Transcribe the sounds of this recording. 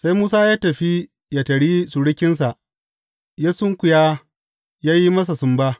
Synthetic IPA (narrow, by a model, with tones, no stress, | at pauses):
sa˦jmuː˦saː˦jaː˦tɐ˨ɸi˦ | ja˨tɐ˨ɽi˦su˨ɽɪ˦kʲɪ˦ns̬a˨ʔ | jaː˦sʊ˦ŋkʷʊ˨jaː˦ | jaː˦ji˦mɐ˦s̬a˨sʊ˨mba˦